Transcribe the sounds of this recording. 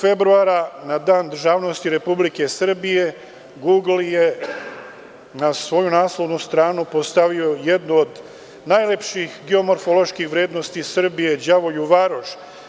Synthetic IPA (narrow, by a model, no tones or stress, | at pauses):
fe̞bɾuaɾanad̪aːnd̪r̩ʒaːʋno̞st̪iɾe̞publike̞sr̩bije̞ | ɡuːɡl̩je | nasʋo̞junaːslˠoʋnust̪ɾaːnupost̪aʋio̞je̞d̪nuod̪ | najlepʃixɡeo̞mo̞ɾfolo̞ʃkixʋɾe̞ːd̪no̞st̪isr̩bije̞d͡ʒaʋo̞juʋaɾoʃ